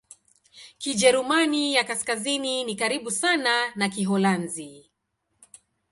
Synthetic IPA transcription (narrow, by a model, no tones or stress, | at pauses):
kiʄɛɾumanijakaskazininikaɾiɓusananakiɦɔlanzi